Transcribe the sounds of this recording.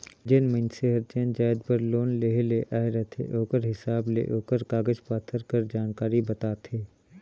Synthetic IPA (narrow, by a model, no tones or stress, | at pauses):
d͡ʒɪnməɪnseɦɐɾt͡ʃẽnd͡ʒaːɪd̪̚bəɾloːnleɦleʔaːɦɾɐt̪ʰḛʔoːkəɾɦɪsaːblḛʔoːkəɾkaːɡəd͡ʒpaːt̪ʰːəɾkəɾd͡ʒaːnkaːɾibɐt̪aːt̪ʰeː